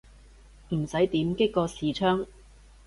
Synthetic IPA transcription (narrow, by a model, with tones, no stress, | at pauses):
m̩˨˩sɐ˨˥jt̪iː˨˥mkɪ˥kːɔː˧siː˨˧t͡ʃʰœː˥ŋ